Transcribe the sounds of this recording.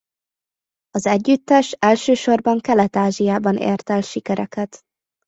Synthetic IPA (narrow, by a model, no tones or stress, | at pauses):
ɒzɛɟːyt̪ːɛʃɛlʃøːʃo̞rbɒŋkɛlɛt̪aːʒijaːbɒnʔḛːrt̪ɛlʃikɛɾʔɛkɛt̪